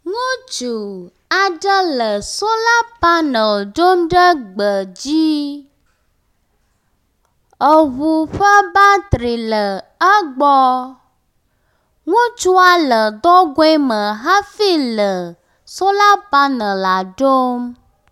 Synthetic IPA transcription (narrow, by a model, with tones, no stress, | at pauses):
ŋũ˦t͡ʃu˨ | a˨ɖə˦lə˨so˦la˦pa˦nə̃˨ɖo˦mɖə˦ɡ͡bə˨d͡ʑi˦ | ə˨βu˨ɸə˦ba˦t̪ɾi˨lə˨ə˦ɡ͡bɔ˦ | ŋũ˦t͡ʃu˦a˨lə˨d̪ɔ˦ɡo˦ɛ˦mə̃˨ɦa˦fi˦lə˨ | so˦la˦pa˦nə̃˨la˨ɖo˦m